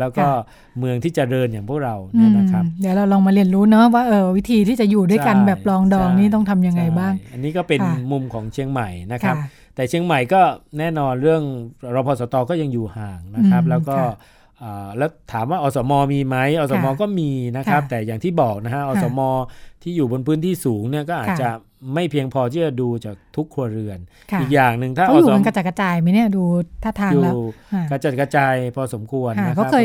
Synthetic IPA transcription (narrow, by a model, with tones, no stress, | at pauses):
lɛː˦˥wkɔː˥˩ | mɯ˧əŋt̪ʰiː˥˩t͡ɕa˨˩ɾɤː˧njaː˨˩ŋpʰu˥˩ək̚ɾa˧wnaɯ˦˥˧a˦kʰa˦plɛː˨˦˥ɾa˧wlɔː˧ŋmaː˧li˧˩ənɾuː˦˥nɔ˦˥waː˥˩ʔɤː˧wi˦˥t̪ʰiː˧t̪ʰiː˥˩t͡ɕa˨˩juː˨˩du˥˩jka˧nbɛː˨˩p̚lɔː˧ŋdɔː˧ŋniː˥˩t̪̬ɔ˥˩ŋt̪ʰa˧mja˧ŋːa˧jbaː˥˩ŋʔa˧nːiː˦˥kɔː˥˩pe˧nmu˧mkʰɔː˩˦ŋt͡ɕʰi˧əŋma˨˩jna˦˥kʰɾa˦˥p | t̪ɛː˨˩t͡ɕʰi˧əŋma˨˩jkɔː˥˩nɛː˥˩nɔː˧nɾɯ˥˩əŋɾɔː˧pʰɔː˧sɔː˩˦t̪ɔː˧kɔː˥˩ja˧ŋjuː˨˩haː˨˩ŋna˦˥kʰɾa˦˥p̚lɛː˦˥wkɔː˥˧˩ | ʔaː˨˩lɛː˦˥wt̪ʰaː˩˦mwaː˥˩ʔɔː˧sɔː˩˦mɔː˧miː˧ma˦˥jʔɔː˧˩sɔː˨˧˦mɔː˧kɔː˥˩miː˧na˦˥kʰɾa˦˥p̚t̪ɛː˨˩jaː˨˩ŋt̪ʰiː˥˩bɔː˨˩k̚na˦˥kʰa˦˥ʔɔː˧sɔː˩˦mɔː˧t̪ʰiː˥˩juː˨˩bo˧npʰɯː˦˥nt̪ʰiː˥˩suː˩˦ŋni˥˩ɐkɔː˥˩ʔaː˨˩t̪̚t͡ɕa˨˩ | ma˥˩jpʰi˧əŋpʰɔː˧t̪ʰiː˥˩t͡ɕa˨˩duː˧t͡ɕaː˨˩k̚t̪ʰu˦˥kʰːu˧ɐɾɯ˧ən | ʔʰiː˨˩k̚jaː˨˩ŋnɯ˨˧ŋt̪ʰaː˥˩˥ɔ˧uː˨˦˧ka˧t͡ɕa˨˩ka˧t͡ɕaː˧jma˧˦ni˥˩ɐduː˧t̪ʰaː˥˩t̪ʰaː˧˩juː˨˩ka˧t͡ɕa˨˩t̪̚ka˧t͡ɕaː˧jpʰɔː˧so˩˦mkʰu˧ənːa˦˥kːa˦˥˧